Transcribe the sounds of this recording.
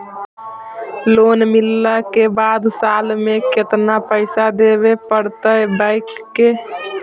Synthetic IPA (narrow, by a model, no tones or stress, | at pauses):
lonmilːakebad̪salmeket̪napəɪsad̪ebepəɾt̪əjbaɪk | ke